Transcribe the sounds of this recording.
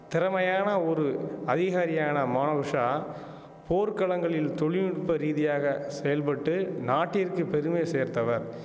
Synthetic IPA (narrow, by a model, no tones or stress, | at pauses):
t̪ɪɾɐmɐjaːnɐɔɾɯɐðɪɣaːɾɪjaːnɐmaːnɐʋɯʂaː | poːɾkɐɭɐŋɡɐɭɪlt̪ɔɭɪjɪɽɯpːɐɾiːðɪjaːɣɐsɛjɐlpɐʈːɯnaːʈːɪɾkɯpɛɾɯmeːseːɾt̪ɐʋɐɾ